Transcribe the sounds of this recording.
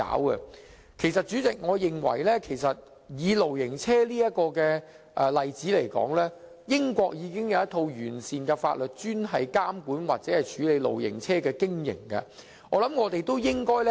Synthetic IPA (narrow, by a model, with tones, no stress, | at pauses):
a̰ː˨˥wkɐ̰˧ | kʰe˨˩jsɐ˨t̚t͡ʃy˨˥t͡sɪ˨k̚ŋɔː˨˧jɪ˨ŋwɐ̰˨˩jlɛː˥kʰe˨˩jsɐ˨t̚ | jiː˨˧lo˨˩wjɪ˨˩ŋt͡sʰɛː˥liː˥jɐ˥t̚kɔː˧kɛː˧ | ʔɛ˨lɐ˨jt͡siː˨˥le˨˩jkɔ̰ː˨˥ŋlɛː˥ | jɪ˥ŋkʷɔː˧k̚jiː˨˧kɪ˥ŋjɐ˨˧wjɐ˥t̪ʰo˧wjyː˨˩nsiː˨nkɛ˧fa̰ː˧t̚lɵ˨t̚t͡ʃyː˥nɦɐ˨jkaː˥mkuː˨˥nwaː˨t̚t͡sɛː˨˦˥hɐ˨jt͡ʃʰyː˨˥le˨˧jlo̰˨˩wjɪ̰˨˩ŋt͡sʰɛː˥kɛː˧kɪ˥ŋjɪ̰˨˩ŋkɐ̰˧ | ŋɔː˨˧lɐ˨˦˥mŋɔː˨˧t̪e˨jt̪o˥wjɪ˥ŋkɔː˥jlɛ˥